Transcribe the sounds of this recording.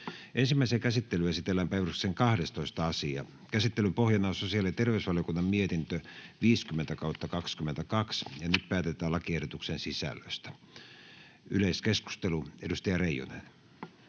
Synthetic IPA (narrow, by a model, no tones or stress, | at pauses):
ʔensimːæˑisekæsit̪ːelyæsit̪elːæmpæiʋyrykseŋkɑhdest̪oist̪ɑɑsiɑ̰ | kæsit̪ːelympohjɑnɑsosiɑlit̪erʋeysʋɑljokunːɑmmiet̪int̪øʋiːskymːent̪ækɑut̪ːɑkɑkskymːˑent̪ækɑksjɑnyt̪̚pæːt̪et̪ˑæːlɑkiehdot̪uksensisæ̰lːø̰st̪æ̥ | yleiskesku̥st̪eluedust̪ɑjɑreijo̰nḛn